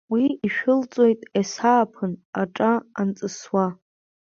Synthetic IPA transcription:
wiiʃᶣʊlt͡sʼo̞jtʼesaːpʰɨnaʈ͡ʂʼaant͡sʼɨswa

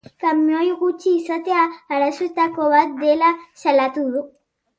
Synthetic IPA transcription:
kamjɔjɣut͡ʃisat̪eaalasut̪akoβad̪elaʃalat̪ulu

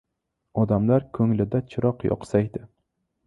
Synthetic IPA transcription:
ɒd̪amlaɾkʰɵŋlɪd̪at͡ʃʰɪɾɒqjɒ̰qsajd̪ɪ

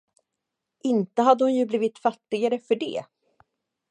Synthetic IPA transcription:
ʔɪnt̪əɦad̪ːəhʊnjɵbliːvɪt̪fat̪ːɪɡaɾəfœɖɛ̰ː

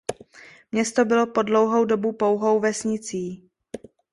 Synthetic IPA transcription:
mɲɛst̪o̞bɪlo̞po̞dlowɦowdo̞bupowɦowvɛsɲɪt͡siː

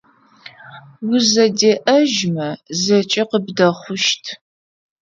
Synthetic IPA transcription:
wʊzɐdeːʔɐʒmɐzɐt͡ʃʼɪqəbdɐχʷʊʃtʰ

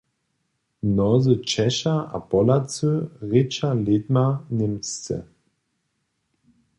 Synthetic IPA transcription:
nɔzət͡ʃɛʃaʔa̰pɔlat͡søʁet͡ʃaled̪manɪmt͡st͡sɛ̰

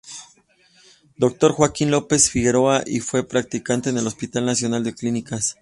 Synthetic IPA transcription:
d̪o̞k̚t̪o̞ɾxwakinlo̞pe̞sfiɣe̞ɾo̞aʔifwe̞pɾak̚t̪ikant̪e̞ːne̞lo̞spit̪alnasjo̞nald̪e̞klinikas

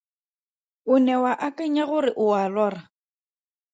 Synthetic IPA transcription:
ʊnɛwaʔakʼaɲaɣʊrɪʔʊalɔːra

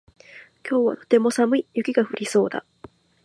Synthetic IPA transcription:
kʲo̞ːβa̰t̪o̞t̪e̞mo̞samɯ̟ijɯ̟kʲiɡaɸɯ̟ɾʲiso̞ːd̪a̰

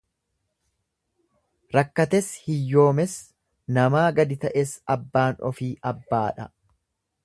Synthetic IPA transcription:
ɾɐkːɐt̪ɛshɪjːo̞ːmɛs | nɐmaːɡɐd̪ɪt̪ɐʔeːsɐbːaːnɔ̰fiːʔɐbːaːᶑɐ

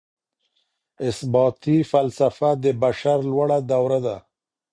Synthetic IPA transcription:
ɪsbɑːt̪ifalsafad̪əbaʃaɾlwaɽad̪awɾad̪a

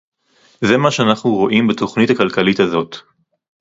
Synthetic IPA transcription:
zemaʃeanaχnuʁo̞ʔimbeto̞χnithakalkalitazo̞t

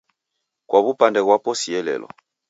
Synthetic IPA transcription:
kwaβupandɛɣwapɔsiɛlɛ̰lɔ̰

